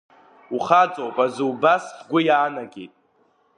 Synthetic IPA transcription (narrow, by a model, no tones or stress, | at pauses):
uχad͡zʼowpʼazɨwbasɡʷʊjaːnaɡʲḛjtʼ